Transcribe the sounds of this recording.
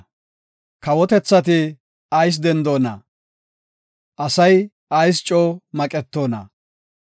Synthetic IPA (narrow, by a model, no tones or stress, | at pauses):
kɐwɔt̪ɛt͡sːɐt̪ɪ | ɐjs̬d̪ɛnd̪o̞ːnɐ̰ | ʔɐsɐj | ɐjs̬t͡ʃʼoːmɐkʼɛt̪ːoːnɐ̰